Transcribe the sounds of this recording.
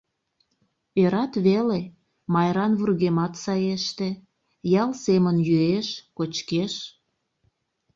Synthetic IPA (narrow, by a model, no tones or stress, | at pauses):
eɾɑt̪βele | mɑjɾɑnβurɣemɑt̪sɑjeʃt̪ĕ | jɑlsemənjyeʃkot͡ɕkeʃ